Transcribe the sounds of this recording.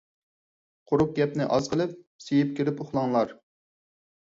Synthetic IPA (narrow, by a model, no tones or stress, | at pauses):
qʰʊɾʊp̚ɡʲɛpnɪʔɑz̥qʰəlˠɨp̚ | sejɪp̚kʲeɾɪpoχlˠɑŋlˠɑɾ